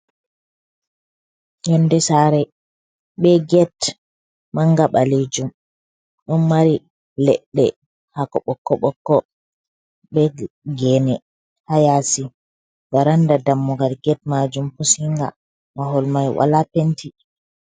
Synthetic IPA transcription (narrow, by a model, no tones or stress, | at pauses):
jɛndɛsaɾɛ | ɓɛɡɛt | maŋɡaɓaled͡ʒum | ɗɔnmaɾi | lɛɗːɛ | hakɔɓɔkːɔɓɔkːɔ | ɓɛɡɛnɛ | hajasi | baɾandadamːuɡalɡɛt̚mad͡ʒumpusiŋɡa | maɦɔlmajwa̰lapentʰi